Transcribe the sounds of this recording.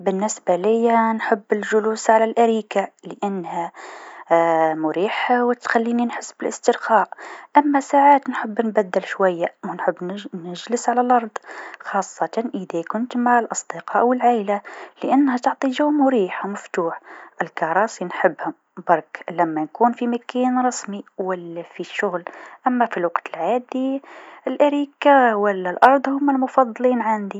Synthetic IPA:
bənːɪsbalɪjːanħəbːɪlʒʊluːsʕalælʔæɾiːkaləʔanːhæ | mʊɾiːħawɪt̪xælːiːninħəsːbɪlʔəst̪əɾxɑʔʔæmːæsaʕaːt̪nħəbːnbæd̪ːɪlʃwæjːawʊnħəbːnəʒləsʕalælʔɑɾˤd̪ˤxɑsˤːɑt̪ɑʔəðækʊnt̪maʕalʔɑsˤd̪əqɑʔwəlʕajlaləʔanːhæt̪ʊʕt̪ˤiʒawmuɾiːħamʊft̪uːħʔɪlkɑɾˤɑːsˤinħəbːhʊm | bɑɾˤklæmːænkuːnfimakiːnɾˤɑsmiwælːæfiʃːʊɣlʔæmːæfilwɑqt̪əlʕaːd̪iɪlʔaɾiːkawælːælʔɑɾˤd̪ˤhʊmːælmʊfɑd̪ˤːliːnʕand̪i

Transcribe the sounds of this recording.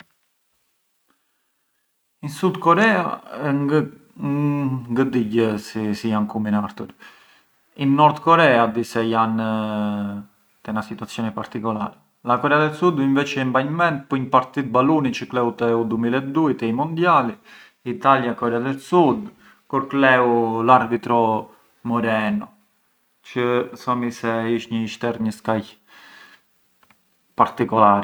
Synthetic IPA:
insud̪kɔɾɛa̰ɛ | ŋɡəd̪iɟəsisijankuminaɾt̪ṵɾ | inːɔɾd̪kɔɾɛad̪isɛjan | t̪ɛnasit̪uat͡sːjɔnɛpaɾt̪ikɔla̰ɾɛ | lakɔɾɛaðɛsud̪iɱvɛt͡ʃɛimbaɲmɛnt̪̚pɔɲpaɾt̪it̪̚balunit͡ʃəklɛwt̪ɛud̪umilɛt̪d̪uit̪ɛimɔnd̪jali | it̪aljakɔɾɛaðɛsud̪ | kuɾklɛwulaɾbit̪ɾɔ | mɔɾɛnɔ | t͡ʃəθɔmisɛiʃɲəiʃt̪ɛɾɲəskaj | paɾt̪ikɔlaɾɛ

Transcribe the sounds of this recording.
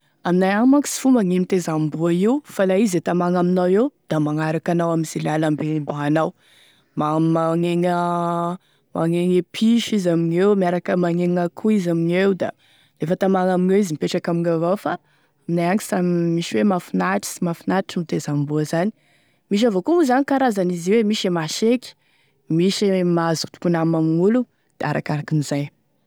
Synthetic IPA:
aminajaŋmaŋki̥si̥fumaŋemit̪ezambuaiwufalaizet̪amaŋaminawewd̪̥amaŋaɾakanawamiz̥ilalambembaɦanaw | mamaŋeŋə | maŋeŋepʰiʃizaminewmaɾakəmaŋeŋakʰuizaminewd̪a̰ | lefət̪amaŋaminewizimipeʈ͡ʂakamiŋavawfa | minajaŋki̥samimiʃiwemafinaʈ͡ʂi̥simafinaʈ͡ʂimit̪ezambuazani̥ | miʃ̬avokumuzanikaɾazaniziwemiʃemaʃeki̥ | miʃemaazut̪u̥punamamiŋulu | d̪̥ea̰ɾʔa̰kaɾakinizaj

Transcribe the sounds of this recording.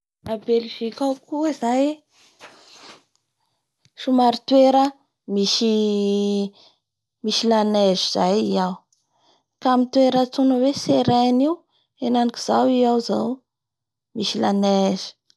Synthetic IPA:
abelivikawkuizaj | ʃumaɾit̪weɾə | miʃi | miʃilaneziz̥ajiaw | kamit̪weɾət͡sunəweseɾeniw | enaniki̥z̥awiawza̰w | miʃilanezi̥

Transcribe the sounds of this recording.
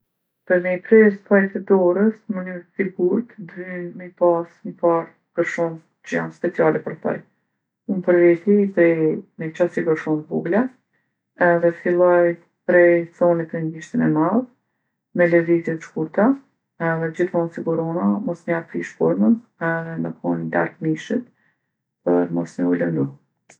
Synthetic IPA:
pəɾmɛjpɾɛspajt̪ɛd̪ɔɾəsmənyɾsiɡuɾt̪d̪ynməpasməpaɾ | ɡ̥əɾʃɔn | t͡ʃəja̰nspɛt͡sialɛpəɾθɔ̰j | unpəɾvɛt̪ipɾɛmɛt͡ʃasiɡəɾʃɔnbuɡlɛ | ɛðɛfilˠɔj | pɾɛjt͡sɔnit̪ənɡiʃt̪inɛmað | mɛlɛvizjɛt̪ʃkuɾt̪a | ɛðɛd͡ʑiθmɔnsiɡuɾɔnamɔsɲaɾpɾiʃkɔɾmənɛðɛməkʰɔnid̪a̰ɾtmiʃit̪̚ | pəɾmɔsɲəulənd̪u

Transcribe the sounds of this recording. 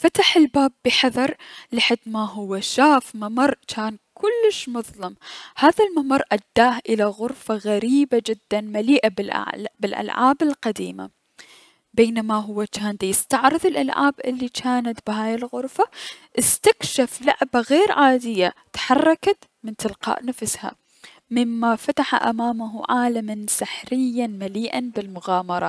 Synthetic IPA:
fat̪aħɪlbaːbːɪħɑðˤɑɾˤlɪħad̪maɦʊwːaʃaːfmamɑrˤt͡ʃaːnkʊlːɪʃmʊðˤlɑmhaːðalmamɑɾˤːʔad̪ːaːhʔɪlaɣʊɾfaɣaɾiːbad͡ʒɪd̪ːanmaliːʔabɪlʔʕbɪlʔa̰lʕa̰ːbɪlqad̪ḭːma̰ | beːnamaɦʊwːat͡ʃaːnd̪jɪst̪ɑʕɾɨðˤɪlʔalʕa̰ːbʔɪlːit͡ʃaːnat̪bɪɦaːjɪlɣʊɾfaʔɪst̪akʃafla̰ʕbaɣeːɾʕaːd̪ɪjːat̪ħɑrˤːɑkat̪mɪnt̪ɪlqɑ̰ːʔnafsha̰ | mɪmːafat̪aħa̰ʔa̰maːmaɦuʕaːlamansɪħɾɪjːanmaliːʔanbɪlmʊɣaːmɑɾˤɑ̰ː

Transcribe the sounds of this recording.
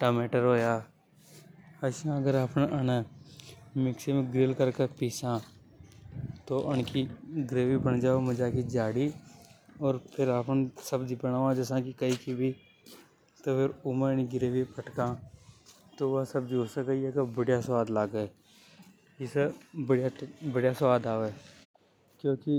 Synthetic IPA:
ʈaːmeːʈəɾɦoːjaː | ɐʃãɡəɾaːpneʔəna | mɪksemẽɡɾɪlkəɾkepiːsã | t̪oʔənkiɡɾeːʋibəɳd͡ʒaːomɐd͡ʒaːkid͡ʒaːɽi | ɔːɾpʰɪɾaːpnsəbd͡ʒibəñaːʋãd͡ʒəsãkikəikibʱi | t̪opʰɪɾʊməɾniɡɪɾeːʋipəʈkãː | t̪oʋɐsɐb̚d͡ʒioːsəkɐijekebəɽjasʋaːd̪laːɡə | ɪsebəɽjabəɽjasʋaːd̪aːʋe | kjõːki

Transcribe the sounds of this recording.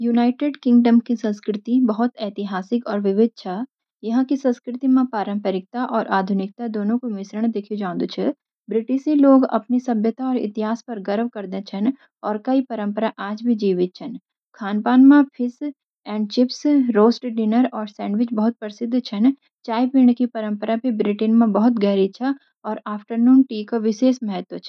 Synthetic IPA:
juːnaːɪʈeːɖkɪ̃ŋɡɖəmkisɐ̃nskɾɪt̪ibɐɦʊt̪ɛːt̪ɪɦaːsɪkɔːɾʋɪʋɪd̪̚t͡ʃʰa | jɐɦãkisɐ̃nskɾɪt̪imẽpaːɾə̃mpəɾɪk̚t̪aʔɔːɾʔaːd̪ʱʊnɪk̚t̪ad̪oːnõkomɪsɾəɽ̃d̪ekʰid͡ʒãːnd̪t͡ʃʰɛ | bɾɪʈɪʃĩloːɡɐ̰pnisɐbʱjət̪aɔːɾɪ̰t̪ɪɦaːspɐɾɡɐɾʋkɐɾd̪ẽt͡ʃʰɐn | ɔːɾkɐipɐɾə̃mpəɾaʔaːd͡ʒbʱid͡ʒiːʋɪt̪̚t͡ʃʰɐn | kʰaːnpaːnmãpʰɪs | ɛ̃ːɳɖ̚t͡ʃɪpsɾoːsʈɖɪnəɾɔːɾsɛ̃ːɳɖʋɪt͡ʃbɐɦʊt̪̚pəɾsɪd̪ʱːt͡ʃʰɐn | t͡ʃaːjpiːɳ̃kipɐɾə̃mpəɾabʱibɾɪʈɪnmẽbɐɦʊt̪ɡɛːɾit͡ʃʰɛ | ɔːɾaːfʈəɾnuːnʈiːkoʋɪʃeːʃmɛɦɛt̪wot͡ʃʰɛ

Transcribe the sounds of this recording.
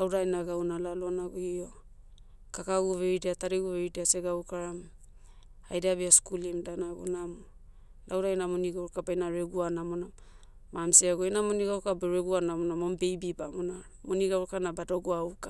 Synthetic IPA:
lawdajnaɡawnalalonaɡoio̞ | kakaɡuveideataɾeɡuveɾideaseɡawkaɾam | ajdabeaskulimdanaɡṵnamo | lawɾajnamoniɡawɾkabajnaɾeɡuanamonam | mamseaɡoinamoniɡawkaboɾeɡuanamonamombe̞jbibamona | moniɡawɾkanabadoɡuawka

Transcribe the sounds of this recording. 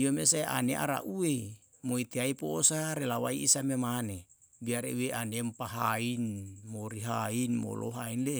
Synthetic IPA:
ijomesaeʔa̰neʔa̰ɾa̰ʔue | moit̪eaipoːsaɾelawaiisamemane | biaɾḛuweʔanempaɦainmoɾiɦainmo̰lʔo̰ɦainle

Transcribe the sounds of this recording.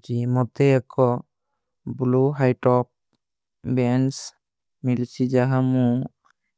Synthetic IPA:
t͡ʃimɔt̪ɛɛkʰɔ | bluɦajʈɔp̚ | bɛns | milsid͡ʒaɦamũ

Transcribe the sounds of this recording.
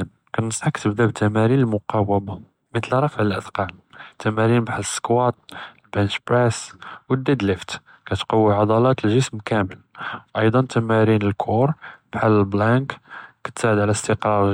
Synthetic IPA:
n | kæt̪nəsˤħɑkt̪əbd̪æbt̪ʰæmæɾinəlmʊqɑwəba | mət̪əlɾˤɑfəʕəlʔəd̪qɑlt̪ːæmæɾinbħaləsːkwɑt̪̚ˤlbænʃpɾæswəd̪ed̪ləft̪ | kæt̪qɑwːiʕɑd̪ˤɑlɑt̪əlʒəsmkæməlʔɑjd̪ˤɑnt̪æmæɾinəlkʰuɾˤb̥ħaləlblækkæ̥t̪saʕəd̪ʕlæst̪əqɾˤɑɾˤ

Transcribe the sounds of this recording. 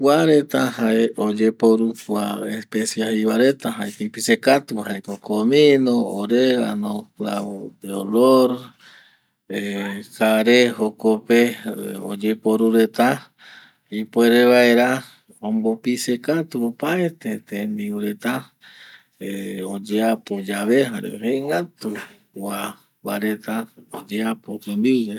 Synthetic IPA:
kʷwaɾe̞t̪ahaeod͡ʒepoɾukwaespesjaiβaɾe̞t̪aɦaekipisekat̪uhaekokomĩnooɾeɾanõkaod̪eoloɾ | ekaɾehokopeo̰d͡ʒepoɾuɾe̞t̪a | ipweɾeβaeɾa | õmbopisekat̪uopaet̪et̪ẽnd̪iwɾe̞t̪a | eod͡ʒeapod͡ʒaβeɦaɾḛɾeŋɡat̪u | wa | βaɾet̪aod͡ʒeapok̪end̪iɾe

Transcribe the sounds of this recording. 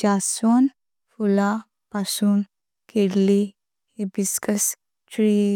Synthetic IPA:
d͡ʒaːsoːn | fula | pasuːn | kʰeɾli | ebiskɐs | ʈɾiː

